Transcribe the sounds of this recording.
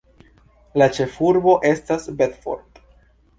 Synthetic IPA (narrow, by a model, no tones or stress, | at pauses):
lat͡ʃe̞fuɾbo̞ʔe̞stasbetfo̞̰ɾd̪